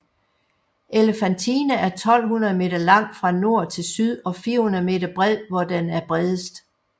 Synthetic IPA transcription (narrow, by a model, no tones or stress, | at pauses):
ʔelefænt͡sʰiːnəæɐt͡sʰɒ̽l̰ɦunɐðˠme̝̰ːd̥ɐlɑ̈ŋ̰d̥fʁɑ̈no̝ɐ̰t͡sʰe̝lsyð̞ˠɒ̽fiːɐhunɐð̩ˠme̝ːd̥ɐb̥ʁɛð̰ˠʋɒd̥enæɐb̥ʁɛðˠəsd̥